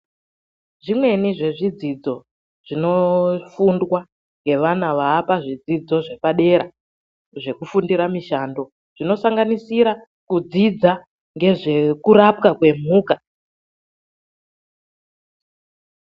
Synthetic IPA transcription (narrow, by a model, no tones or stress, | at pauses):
ʐimwe̞niʐe̞ʐid͡zid͡zo̞ | ʐ̥ino̞fundwa | ŋɡe̞ʋanaʋaːpaʐid͡zid͡zo̞ʐe̞paɗe̞ɾa | ʐe̞kufundiɾamiʃando̞ | ʐ̥ino̞saŋɡanisiɾa | kud͡zid͡za | ŋɡe̞ʐe̞kuɾap̚kakwe̞m̤uːka